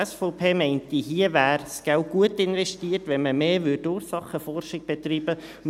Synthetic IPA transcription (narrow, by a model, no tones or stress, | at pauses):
ɛsfɔʊpʰeːmɛɪntiɦiəvæːɾsɡ̥ɛʊɡ̥uətɪnvɛʃtiːərtʋɛnməmeːʋʏdʊːɾsɑχəfɔrʃɪɡ̥̚b̥ɛt̪riːb̥ə